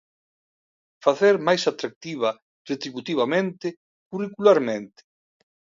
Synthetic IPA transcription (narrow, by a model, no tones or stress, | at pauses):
faθeɾmajsat̪ɾak̚t̪iβ̞ɐ | ret̪ɾiβut̪iβamẽnt̪ɪ | kurikulaɾmẽnt̪ɪ̥